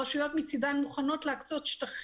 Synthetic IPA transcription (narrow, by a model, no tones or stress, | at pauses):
aʃijotmit͡sidanmuχano̞tleakt͡sot̪ʃtaχ